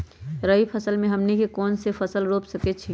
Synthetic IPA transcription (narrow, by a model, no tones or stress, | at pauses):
ɾəɦipʰəsəlmẽɦɐmnikekɔːnsepʰɐsəlɾoːpsəket͡ʃʰi